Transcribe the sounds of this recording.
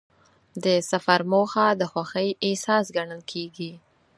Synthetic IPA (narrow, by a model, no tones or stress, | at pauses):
d̪əsafaɾmoxad̪əxwaxəjɪsɑsɡaɳəlkʰeɡi